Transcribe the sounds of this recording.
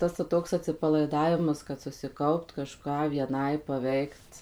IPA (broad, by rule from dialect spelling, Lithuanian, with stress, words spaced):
ˈtɐs ʋɐ ˈtoːks ɐtʲsʲɪpɐlˠɐɪˈdɑːʋʲɪmɐs kɐt sʊsʲɪˈkɐʊpt kɐˈʃkɑː ʋʲiɛˈnɐɪ pɐˈʋʲɛɪkt